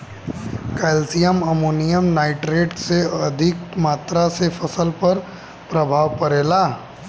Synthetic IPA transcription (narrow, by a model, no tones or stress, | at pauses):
kɛːlsijəmɐmoːnijəmnaːɪʈɾeːʈseɐd̪ʱɪkmaːt̪ɾasefɐsəlpɐɾ | pɾɐbʱaːʋpɐɾeːlaː